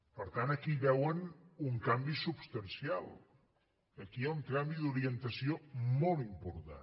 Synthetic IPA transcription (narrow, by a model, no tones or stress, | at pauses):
pəɾt̪anəkiβɛwənuŋkambisubst̪ənsialˠ | əkiauŋt̪ɾambiðuɾiənt̪əsiomɔlˠimpuɾt̪a̰